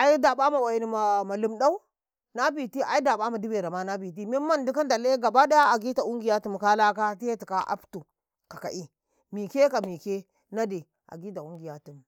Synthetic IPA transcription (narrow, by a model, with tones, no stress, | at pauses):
a˨ji˦da˨ɓa˦ma˨wa˨ji˨ni˨ma˨ma˨lu˨mda˦u˦ | na˦bi˨ti˦ʔa̰˨˦i˦da˨ɓa˦ma˨di˦be˨ɾa˨ma˦na˦bi˨t̬i˦mi˦mːa˦ndu˦ka˦nda˨le˦ɡa˨ba˦da˦ja˦a˨ɡi˦ta˨u˦ŋɡi˨ja˦tu˦˨m˨ka˦la˦ka˦ti˦je˦ti˨ka˦ʔa̰˦ptu˨ | ka˨ka̰˨ʔi˦ | mi˨ke˦ka˨mi˨ke˦ | na˦de˨ | ʔa̰˨ɡi˦ta˨u˦ŋɡi˨ja˦tu˨m˨